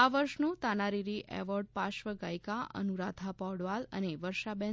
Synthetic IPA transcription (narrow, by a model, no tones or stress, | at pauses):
aʋəɾʃnũt̪anaɾiɾiʔɛ̰ʋɔɾɖ̚paʃʋəɡajkaʔə̰nuɾad̪ʱʰapɔɽʋalə̰neʋəɾʃabɛ̃